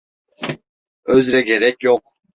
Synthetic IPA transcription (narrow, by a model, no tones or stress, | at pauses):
øzɾækʲeɾɛkʲjoq̚